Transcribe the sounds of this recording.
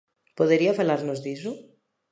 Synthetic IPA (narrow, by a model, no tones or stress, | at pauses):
poðeɾiafalaɾnozðis̬u